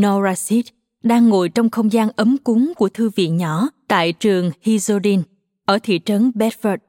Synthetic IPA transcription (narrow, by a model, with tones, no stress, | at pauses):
no˧zaː˧si˦˥t̚ | ɗaː˧ŋːo̰˧˨jt͡ɕɔ˧wŋ͡mxə˧wŋ͡mzaː˧nʔə˨˦mkʊ˨˦ŋku˧˩ət̪ʰɨ˧vḭ˧˨ənɲɔ˧˩t̪a̰ː˧˨jt͡ɕɨ˨˩əŋhi˧zo˧ɗi˧n | ʔəː˧˩t̪ʰḭ˧˨t͡ɕə˨˦nɓɛ˦˥t̚fə˦˥t̚